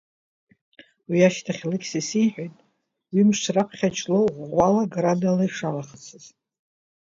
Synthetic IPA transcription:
wiaʃtʰaχʲlɨkʲsisiħʷᶣajtʼ | wimʂrapʰχʲat͡ʃʰʼloʁʷalaɡradalaiʂalaχt͡sʰɨz̥

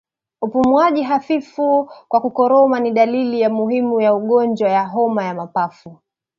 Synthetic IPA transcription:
upumwaʄiɦafifukwakukɔɾɔmaniɗalilijamuɦimujauɠɔnd͡ʒwajaɦɔmajamapafu

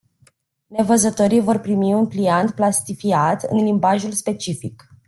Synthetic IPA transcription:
ne̞vəzət̪o̞ɾijvo̞rpɾimiunpliant̪̚plast̪ifiat̪ɨ̰nlimbaʒulspe̞t͡ʃifik

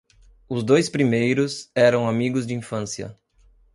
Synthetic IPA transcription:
ʊzd̪ojspɾimejɾʊsɛɾɐ̃w̃amiɡʊzd͡ʒɪĩfɐ̃sjɐ̰

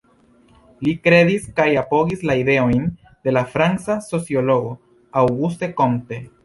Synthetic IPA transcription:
likɾe̞diskajapo̞ɡislaide̞o̞jn | de̞lafɾansaso̞t͡sio̞lo̞ɡo | awɡuste̞ko̞mte̞

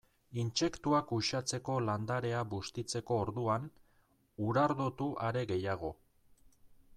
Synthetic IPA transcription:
int͡ʃe̞kt̪uakuʃat͡se̞ko̞land̪aɾe̞aβust̪it͡se̞ko̞ːɾðuan | uɾaɾðot̪uʔaɾe̞ɣe̞jaɣ̞o̞

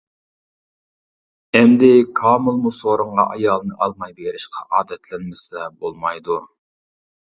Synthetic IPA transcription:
ɛmd̪ɪkʰɑːmɨlˠmusoɾəɴʁɑ̰ʔɑjɑːlˠnɨʔɑlˠmɑjbeɾɪʃqʰɑʔɑːd̪ɛt̪ʰlɪnmɪsɛbolˠmɑjd̪u

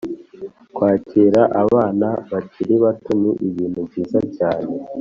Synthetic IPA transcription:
kwaːciːɾaʔaβaːnaβacʰiɾiβatuniʔiβiːn̥hubɟiːzacaːne̞

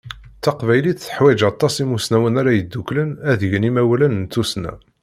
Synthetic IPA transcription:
θɑqvæjliθθə̥ħwæd͡ʒɑt̪ˤːɑsimusnæwənæɾæjəd̪ːuklənæðəʝnimæwælənnt̪ːusnæ̰

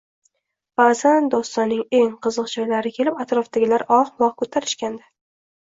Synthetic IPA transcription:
b̥azand̪ɒst̪ɒnːɪŋe̞ŋqʰɨzɨqd͡ʒɒjlaɾɪkʲʰe̞lɪpat̪ɾɒfd̪aɡʲɪlaɾɒqmɒqkʰot̪ʰaɾɪʃkʲand̪a

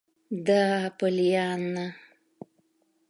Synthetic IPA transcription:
d̪apəlijaːnːa

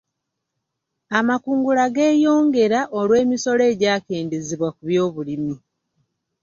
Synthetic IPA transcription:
amakuːŋɡulaɡe̞ːjo̞ːŋɡe̞ɾaʔolwe̞ːmiso̞le̞ːɟaːke̞ːndeziβwakuβjo̞ːβulimi

